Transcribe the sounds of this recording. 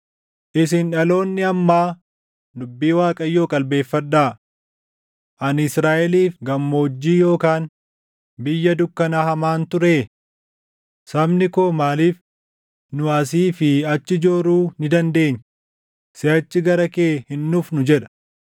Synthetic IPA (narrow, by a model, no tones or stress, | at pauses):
ʔɪsɪnᶑɐlo̞ːnːɪɐmːaː | d̪ʊbːiːwaːkʼɐjːo̞ːkʼɐlbe̞ːfːɐᶑːaː | ʔɐnɪsɾaːʔɛliːfɡɐmːo̞ːd͡ʒːiːjo̞ːkaːn | bɪjːɐd̪ʊkːɐnaːhɐmaːnt̪ʊɾe̞ː | sɐbnɪkoːmaːliːf | nʊɐs̬iːfɪɐt͡ʃːɪd͡ʒoːɾuːnɪd̪ɐnd̪e̞ːɲː | sɪɐt͡ʃːɪɡɐɾɐkeːhɪnːuːfnʊd͡ʒɛᶑɐ̥